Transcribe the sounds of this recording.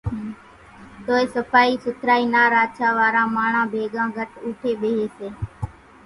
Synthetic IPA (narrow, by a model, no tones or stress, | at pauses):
t̪oːeːsəpʰaːiːsʊt̪ʰɾaːiːnaːɾaːdt͡ʃʰaːʋaːɾãːmaːɳ̤ãːbʱeːɠãːɡʱəʈuːʈʰeːɓeːɦeːseː